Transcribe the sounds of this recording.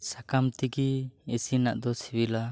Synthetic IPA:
sakamt̪ikiesina̰ʔd̪ɔsibila

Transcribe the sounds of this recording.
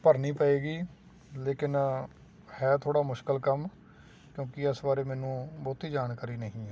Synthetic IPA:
pəɾniːpəeːɡiː | leːkɪn | hɛːt̪ʰoːɽaːmʊʃkəlkəm | kjõːkɪəsbaːɾeːmɛːnũːbɔːt̪iːd͡ʒaːnkaːɾiːnəɦĩːɛː

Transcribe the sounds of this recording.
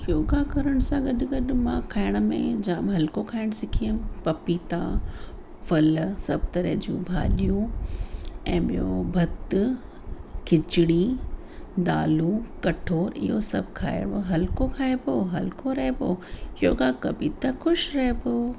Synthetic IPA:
joːɡakɐɾəɽ̃ʊsãɡɐɗɪɡɐɗ̆mã̰kʰaːɪɽ̃̆mḛ̃d͡ʑaːmɦɐlkokʰaːɪɽ̃sɪkʰijəmpɐpit̪ã̰ | fɐlsɐb̚ʱt̪ɐɾə̰ɦd͡ʑṵ̃ːbʱa̰ːlijũ | ɛ̰̃ːɓijobʱɐt̪ | kʰɪt͡ɕɪɽ̃i | d̪aːlũkɐʈʰoːɾɪ̰ɦosɐ̰bʱkʰa̰ːɪɽoɦɐlkokʰaːepoɦɐlkoɾɐɦepoːjoːɡakɐbit̪axʊʃɾɐɦepoː

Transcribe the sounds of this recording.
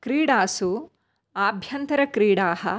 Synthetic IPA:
kɾiːɽaːsu | aːbʱjɐnt̪ɐɾɐkɾiːɽaːɦɐ̰

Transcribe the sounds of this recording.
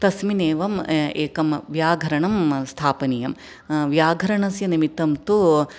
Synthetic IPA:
t̪ɐsmineːʋɐmeːkɐmʋjaːɡʱɐɾɐɳɐmst̪ʰaːpɐnijɐm | ʋjaːɡʱɐɾɐɳɐsjɐnimit̪ɐmt̪u

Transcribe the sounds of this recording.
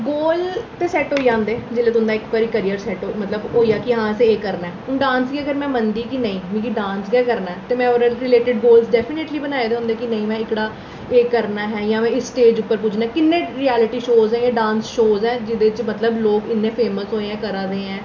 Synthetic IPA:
ɡoːlt̪eːsɛːʈɦoːid͡ʒãːnd̪eːd͡ʒɪlːeːt̪ʊ̃nd̪aːɪkkəɾiːkəɾijəɾsɛːʈomət̪ləbɦoːiːaːkɪɦãːɛseːkəɾnaɛːʊɖãːnsɡɛːkəɾmɛ̃ːmənd̪iːkɪnəĩːmĩːkiɖãːnsɡɛːkəɾnaɛːt̪eːmɛ̃ːoɾɾɪleːʈɪɖɡoːlsɖɛːpʰɪneːʈliːbənaːeːd̪eːɦʊ̃nd̪eːkɪnə̃ĩːmɛ̃ːɪkɽaː | eːkːəɾnaːɦɛːjãːmɛ̃ːɪsʈeːd͡ʒʊpːəɾp̬ʊd͡ʒʰnaːɛːkɪnːẽːɾiɛːlɪʈiːʃoːzɛ̃ːjãːɖãːnsʃoːzɛ̃ːd͡ʒɪd̪eːt͡ʃmət̪ləbloːɡɪnːẽːpʰeːməsɦoːeɛ̃ːkəɾãːd̪eːɛ̃ː

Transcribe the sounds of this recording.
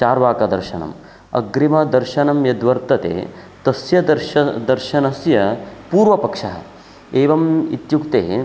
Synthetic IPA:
t͡ʃaːɾʋaːkɐd̪ɐɾʃɐnɐ̰m | ɐ̰ɡɾimɐd̪ɐɾʃɐnɐmjɐd̪ʋɐɾt̪ɐt̪ḛːt̪ɐsjɐɾd̪ɐɾʃɐnɐsjɐpuːɾʋɐpɐkʂɐɦɐ̰ | eːʋɐmḭt̪jukt̪eː

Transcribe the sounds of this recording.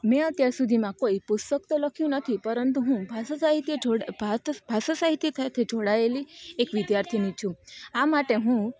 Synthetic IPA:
mɛ̃ət̪jaɾsud̪ʱimãkoipust̪əkt̪oləkʰjũnət̪ʰipəɾənt̪̬uɦũbʱassaɦit̪jeo | bʱasasaɦit̪jet̪ʰəjt̪ʰed͡ʒʱoɽaeliekʋid̪jaɾt̪ʰinit͡ʃʰũamaʈeɦũ

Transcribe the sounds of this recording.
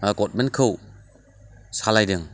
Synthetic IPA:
ɡɔt̚menkʰɯw | salajdɯŋ

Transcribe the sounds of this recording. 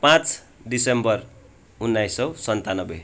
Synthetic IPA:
pãt͡s | disembʌr | unːajsʌwsʌnt̪anʌbʌ

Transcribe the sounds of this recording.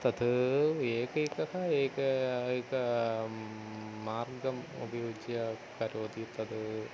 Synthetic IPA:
t̪ɐd̪ɨeːkɐikɐkɐeːkɐjkɐ | aːrɡɐmo̰bɐjoːd͡ʒjɐkɐɾoːd̪it̪ɐd̪ɨ

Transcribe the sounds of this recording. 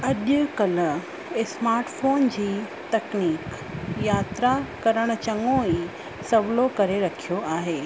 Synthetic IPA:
ɐʄʊkɐlə | ɪsmaːɾʈfoːnd͡ʑiː | t̪ɐkniːk | jaːt̪ɾakɐɾəɽ̃ʊ̆t͡ɕɐŋɡõiː | sɐʋlokɐɾeɾɐkʰijoaːɦeː

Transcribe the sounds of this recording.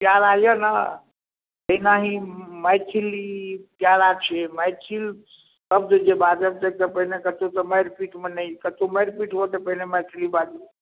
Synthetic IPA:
pjaɾajəna̰ | əɦinaɦĩməjt͡ʃʰilipjaɾat͡ʃʰeməjt͡ʃʰil | səb̚d̪d͡ʒebad͡ʒəbt̪et̪əpəɦinekət̪ot̪ɔməjɾpiʈmenəjkət̪oməjɾpiʈbot̪epəɦineməjt̪ʰilibad͡ʒi

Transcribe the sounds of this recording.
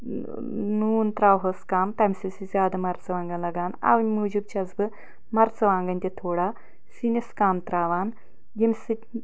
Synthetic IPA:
nuːnt̪ɾaːwɦoskaːmt̪ɐmʲsisizʲaːd̪amɐɾt͡sɐʋaːŋɡanlɐɡaːna̰ʋmud͡ʒub̚t͡ʃazbɨ | mɐɾt͡sɐʋaːŋɡɐnʲt̪ʲet̪ʰoːɽa | sineskaːmt̪ɾaːʋaːn | jemʲsɨ

